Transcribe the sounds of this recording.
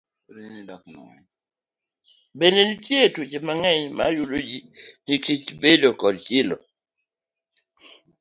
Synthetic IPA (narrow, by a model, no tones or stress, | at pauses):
benenitjetut͡ʃemaŋɛɲma̰julod͡ʒinikitibelɔkɔlkilɔ̰